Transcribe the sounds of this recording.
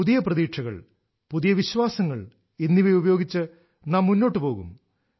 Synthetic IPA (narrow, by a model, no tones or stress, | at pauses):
uðijɐprɐðiːʈʂʰɐɣɐ̰ɭ | puðijɐʋiɕʋaːsɐŋːɐɭ | enːiʋɐjubɐjoːɡit͡ɕːɨ | naːmːunːo̞ːʈːɨpo̞ːɣṵm